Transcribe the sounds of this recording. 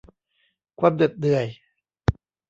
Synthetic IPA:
kʰwaː˧mdɯ˨˩t̪̚dɯ˨˩əj

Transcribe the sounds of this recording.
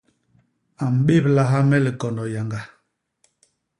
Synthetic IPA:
a˨m̩˨ɓe˦˨p̚la˦ɦa˦mɛ˦li˨kɔ˨ndɔ˨ja˨ŋɡa˨

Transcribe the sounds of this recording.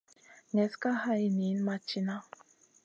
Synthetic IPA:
ŋɛ˨ska˦ha˦˨i˦ni˨˦n˦ma˦t͡ʃi˦na˦

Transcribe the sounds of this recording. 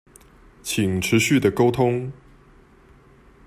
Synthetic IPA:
t͡ɕʰi˨˩ŋʈ͡ʂʰɻ̩˨˦ɕy˥˨˩d̪ə˩ko˥ʊt̪ʰʊ˦ŋ

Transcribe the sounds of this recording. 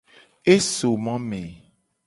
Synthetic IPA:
e˦so˨mã˦mẽ˨

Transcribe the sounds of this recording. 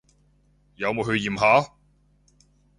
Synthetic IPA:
jɐ˨˧wmo˨˧jɦɵ˧ɥjiː˨˩mɦaː˨˥

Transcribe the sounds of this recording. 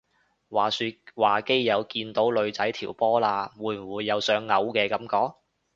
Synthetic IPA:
waː˨syː˧waː˨˩ke˥jːɐ˨˧wkiː˧nt̪o˨˥wlɵ˨˧ɥt͡sɐ˨˥jt̪ʰiː˨˩wpɔː˥laː˧wuː˨˧jm̩˨˩wuː˨˧jːɐ˨˧wsœː˨˥ŋːɐ˨˧wkɛː˧kɐ˨˥mkɔː˨˥k̚

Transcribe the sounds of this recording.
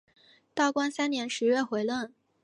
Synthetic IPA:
t̪ɑ˥˩ʊkwa˥nsa˥nnjɛ˧˥nʂɻ̩˧˥ɥɛ˥˩xwe˧˥ɪlwə˥˩n

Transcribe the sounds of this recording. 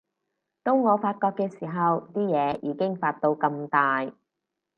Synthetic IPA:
t̪o˧˥wŋɔː˨˧faː˧t̚kɔː˧kːɛː˧siː˨˩ɦɐ˨wt̪iː˥jɛː˨˧jiː˨˧˥kɪ˥ŋfaː˧t̚t̪o˧wkɐ˧mt̪aː˨j

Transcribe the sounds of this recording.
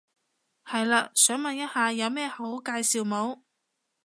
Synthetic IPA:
hɐ˨jlaː˧sœː˨˥ŋmɐ˨njɐ˥t̚haː˨˧jɐ˨˧wmɛː˥ho˨˥wkaː˧jsiː˨wmo˨˧˥w

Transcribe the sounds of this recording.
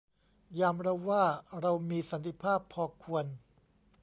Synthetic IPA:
jaː˧mɾa˧wːaː˥˩ɾa˧wmiː˧sa˩˦nt̪ʰi˧˦pʰaː˥˩pʰːɔː˧kʰu˧ən

